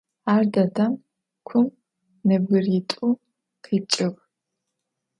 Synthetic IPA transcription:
aːrdɐdʰɐm | kʷʰʊm | nɨbɡɨritʼu | qʰiːt͡ʃʼɪʁ

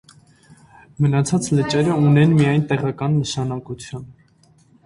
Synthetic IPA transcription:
mənɑt͡sʰɑt͡slət͡ʃɛɾəunɛnmijɑjnt̪ɛʁɑkɑnːəʃɑnɑkut͡sʰjun

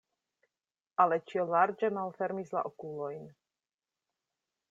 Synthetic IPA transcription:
ʔalɛt͡ʃiɔlaɾd͡ʒɛmalfɛɾmizla̰ʔɔkulɔjn

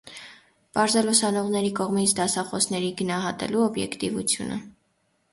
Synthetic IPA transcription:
pɑɾzɛlusɑnɔʁnɛɾikɔʁmit͡sʰd̪ɑsɑχɔsnɛɾiɡənɑɦɑt̪ɛ̰luɔbjɛ̰kt̪ivut͡sʰjṵnʔə̰

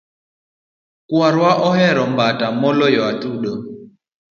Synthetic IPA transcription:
kwaɾwaʔɔhɛɾɔmbatamɔlɔjɔatuɗɔ

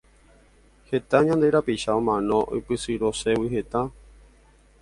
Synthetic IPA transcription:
he̞t̪aɲãnd̪e̞ɾapiʃaõ̞mãnõ̞ʔo̰pɨsɨɾo̞se̞wihe̞t̪a

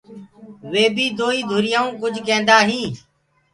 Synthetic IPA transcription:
ʋeːbiːd̪oːiːd̪ʱʊɾɪjãːũːkʊd͡ʒʱkẽːnd̪aːɦĩː

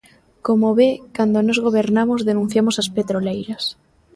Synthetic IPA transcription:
komoβekand̪onozɣ̞oβ̞eɾnamozðenũn̟θjamosaspet̪ɾolejɾas

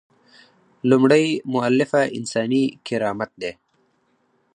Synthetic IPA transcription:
lumɽajmʊalːɪfaɪ̰nsɑːnikɪɾɑːmat̪̚d̪eː

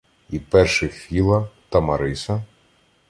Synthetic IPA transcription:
ipɛrʃɪfʲilˠɐt̪ɐmɐɾɪsɐ

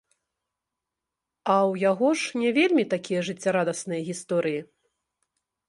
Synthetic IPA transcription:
ɐwjaɣɔʂnʲɛvʲelʲmʲit̪akʲijɐʐɨt͡sʲːaɾad̪ɐsnɨjɐɣʲist̪ɔɾɨji

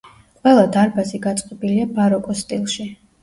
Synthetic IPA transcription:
qʼwɛlˠad̪aɾbaziɡat̪sʼqʼɔbiliabaɾɔkʼɔst̪ʼilˠʃi

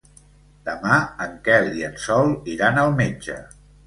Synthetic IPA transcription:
d̪̥əmaəŋkɛliənsɔlˠiɾanəlˠmed͡ʒə̰

